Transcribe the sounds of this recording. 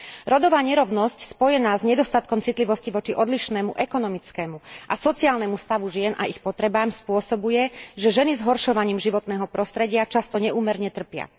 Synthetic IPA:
ɾɔd̪ɔʋaːɲɛɾɔʊnɔscspɔjɛnaːzɲɛd̪ɔst̪at̪kɔmt͡sit̪liʋɔsciʋɔt͡ʃiʔɔd̪liʃnɛːmuʔɛkɔnɔmit͡skɛːmuʔasɔt͡siaːlnɛmust̪aʋuʒɪɛnʔa̰ʔixpɔt̪ɾɛbaːmspʊɔsɔbujɛʒɛʒɛnizɦɔɾʃɔʋaɲiːmʒiʋɔt̪nɛːɦɔpɾɔst̪ɾɛɟɪat͡ʃast̪ɔɲɛʔuːmɛɾɲɛt̪r̩pɪa̰

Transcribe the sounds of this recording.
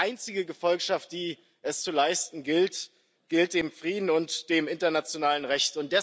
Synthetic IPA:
ʔaɪnt͡sɪɡəɡəfɔlkʃaft̚d̥iː | ʔɛst͡sulaɪstn̩ɡɪlt | ɡ̥ɪlt̚d̥eːmfʁ̥iːdn̩ʊntd̥eːmɪntɐnat͡sjonaːlənʁɛçtʊntd̥ɛ

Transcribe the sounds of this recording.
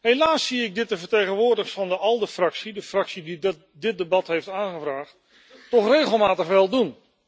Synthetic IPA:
ɦelaːsːiɪɡ̚dɪt̚dəvəɹtejχənʋʊːɹdəχsfɑndəʔɑlˠdəfrɑksidəfrɑksidi | dɪt̚dəbɑtɦejftaːnχəvraːχt | tɔχrejχəlˠmaːtəχʋɛlˠdun

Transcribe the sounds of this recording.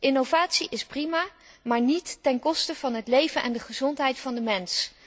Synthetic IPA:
ʔɪnovaːtsiʔɪsprimaː | maːɹnitːɛnkɔstəv̥ɑnɦətlejvənʔɛ̰ndəχəzɔntɦɛjtfɑndəmɛns

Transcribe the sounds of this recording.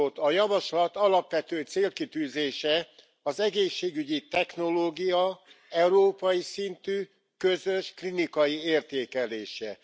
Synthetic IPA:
ot̪ːɒjɒvɒʃlɒt̪ɒlɒpʋɛt̪øːt̪seːlkit̪yːzeːʃɛ | ɒzɛɡeːʃːeːɡyɟit̪ɛxno̞loːɡijɒ | ɛuɾoːpɒjisint̪yː | køzø̞ʃklinikɒjieːrt̪eːkɛleːʃɛ

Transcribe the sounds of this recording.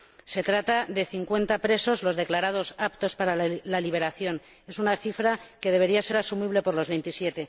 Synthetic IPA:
se̞t̪ɾat̪aðe̞θiŋkwe̞nt̪apɾe̞so̞zlo̞zðe̞klaɾað̞o̞sapt̪o̞spaɾalaliβ̞e̞ɾaθjo̞n | e̞sunaθifɾake̞ð̞eβ̞e̞ɾiase̞ɾasumiβle̞po̞ɾlo̞zβe̞jnt̪isje̞t̪e̞

